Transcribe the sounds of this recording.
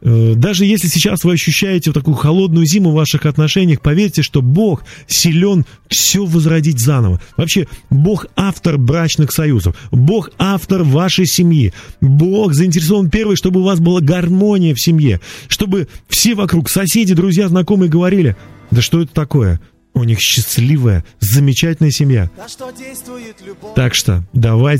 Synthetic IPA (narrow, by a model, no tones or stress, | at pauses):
əd̪aʐɨjesʲlʲɪsʲɪt͡ɕasvɨɐɕːʉɕːæjɪtʲɪft̪ɐkujʊxɐlˠo̞d̪nʊjʊzʲimʊvːaʂɨxɐt̪nɐʂɛnʲɪjəxpɐvʲeɾʲtʲɪʂt̪o̞bo̞xsʲɪlʲo̞nfsʲovəzɾɐdʲit̬ʲzanə̰və̰vɐpɕːe̞bo̞xaft̪ərbɾat͡ɕnɨxsɐjuzə̰fbo̞xaft̪ərvaʂəjsʲɪmjḭbo̞xzəɪnʲtʲɪɾʲɪs̬ovənpʲe̞rvɨjʂt̪o̞bɨʊvas̬bɨlˠaɡɐrmo̞nʲɪjəfsʲɪmʲjḛʂt̪o̞bɨfsʲe̞vɐkɾuksɐsʲedʲɪd̪ɾʊzʲjaznɐko̞mɨjəɡəvɐɾʲilʲɪd̪əʂt̪o̞ɛt̪ə̥t̪ɐko̞jə̰ | ʊnʲixɕːɪslʲivəjə̰zəmʲɪt͡ɕætʲɪlʲnəjəsʲɪmja̰ | t̪akʂt̪o̰d̪ɐvaj